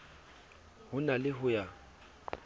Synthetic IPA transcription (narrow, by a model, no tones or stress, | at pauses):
hʊnalɪɦʊja